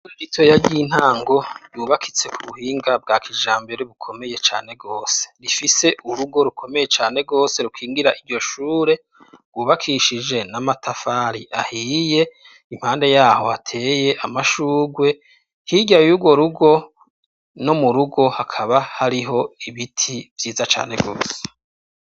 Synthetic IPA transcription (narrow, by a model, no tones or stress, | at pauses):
ɾitʰo̞jaɟiːn̥haːŋɡo̞juːβakʰit͡se̞kʰuβuhiːŋɡab̚ɡaːkʰiʒaːmbeɾeβukʰo̞me̞je̞t͡ʃa̰ːne̞ɡo̞ːse̥ɾifise̞ʔuɾuɡo̞ɾukʰo̞me̞je̞t͡ʃaːne̞ɡo̞ːse̞ɾukʰiːŋɡiɾaʔiɾɟo̞ʃuːɾe̞ | ɡ̥wuːβakʰiʃid͡ʒe̞namatʰafaɾiʔa̰hije̞ | im̥haːnde̞jaːho̞hatʰe̞ːje̞ʔamaʃuːɡwe̞ | hiɟajuɡwo̞ɾuɡo̞ | no̞muɾuɡo̞hakʰaβahaɾiɦo̞iβitʰivjiːzat͡ʃa̰ːne̞̰ɡo̞ːse̥